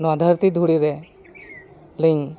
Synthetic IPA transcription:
nɔd̪ʱəɾt̪id̪ʱuɽiɾe | liŋ

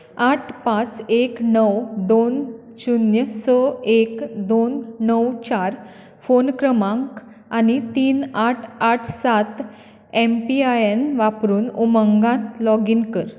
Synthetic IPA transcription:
aʈʰpãt͡seknəwd̪on | ɕunjəsəekd̪onnəwt͡ɕaɾ | fonkɾəmãŋk | anit̪iːnaʈʰaʈʰsat̪ | empiajenʋapɾuːnuməŋɡãt̪lɔɡinkəɾ

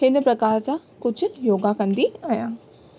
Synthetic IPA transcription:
ɦɪnpɾɐkaːɾt͡ɕa | kʊd͡ʑʱʊ̆joːɡakɐ̃nd̪iajãː

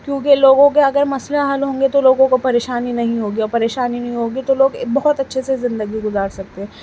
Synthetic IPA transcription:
kjõːkeloːɡõk̬eɐɡəɾmɐsleɐɦɐlɦõːŋɡet̪oloːɡõkopɐɾeːʃaːninɐɦĩɦoːɡiɔːɾpɐɾeːʃaːninɐɦĩɦoːɡit̪oloːɡbɔɦɔt̪ɐtːʃʰesezɪ̃nd̪əɡiɡʊzaːɾsɐk̚t̪eɦɛ̃ː

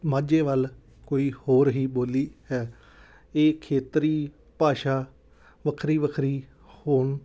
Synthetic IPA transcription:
mãːd͡ʒeːʋəl | koːiːhoːɾɦiːboːliːɦɛː | eːkʰeːt̪ɾiː | paːʃaː | ʋəkʰɾiːʋəkʰɾiː | hoːɳ

